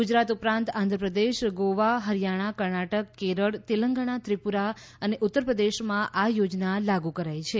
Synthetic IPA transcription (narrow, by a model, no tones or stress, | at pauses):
ɡud͡ʒɾat̪upɾãnt̪ãnd̪ʱɾəpɾəd̪eʃɡoʋaɦəɾijaɽ̃akəɾɳaʈəkːeɾəɽt̪iləŋɡəɳ̃at̪ɾipuɾa | əneʔʊt̪ːəɾpɾəd̪eʃmãʔajod͡ʒnalaɡukəɾajt͡ʃʰe